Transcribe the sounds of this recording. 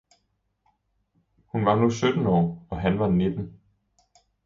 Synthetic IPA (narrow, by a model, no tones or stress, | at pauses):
hunʋɑ̈nusød̥n̩ɒ̰ːɒ̽ɦænʋɑ̈ne̝d̥n̩